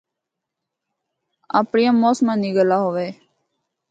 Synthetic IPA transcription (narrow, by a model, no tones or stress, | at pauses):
a̰ːpɳɪjãːmoːsmãːniːɡəlaːɦoːʋeː